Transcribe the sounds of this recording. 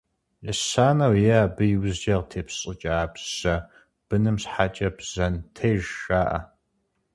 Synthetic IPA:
ʔɪsaːnɐwjɛaːbɨjwzd͡ʒɐʁtʰeːpɕʼɨt͡ʃʼɐːbʒɐ | b̥ɨnɨmsħaːt͡ʃʼɐbz̥ɐntʰeːʒːaːʔɐ̰

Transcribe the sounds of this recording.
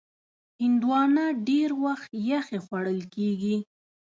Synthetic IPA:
hɪnd̪wɑnaɖeɾwaxt̪jaxexwaɽəlkeɡi

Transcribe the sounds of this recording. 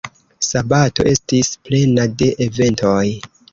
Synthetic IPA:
sabato̞̰ʔe̞stisple̞nade̞ʔeve̞nto̞j

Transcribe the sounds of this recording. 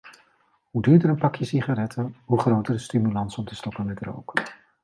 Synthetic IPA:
ɦudyːɹdəɾənpɑkjəsiχaɾɛtʰəɦuχrowtəɹdəstimylɑnsɔmtəstɔkənmɛtro̰wk

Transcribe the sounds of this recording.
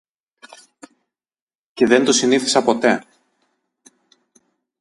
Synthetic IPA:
ce̞ðe̞nt̪o̞siniθi̥sɐpo̞t̪e̞

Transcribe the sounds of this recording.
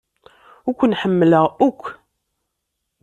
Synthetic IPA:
ʊkʷːnħəmːələʁʊkʷː

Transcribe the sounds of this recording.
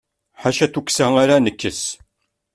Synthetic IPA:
ħaʃæθuksæŋaɾanəkːəs

